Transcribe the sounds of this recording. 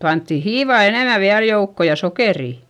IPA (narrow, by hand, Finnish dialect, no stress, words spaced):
pɑntːi hiːʋɑˑ eneˑmæ ʋiæl joukːo jɑ sokeriˑ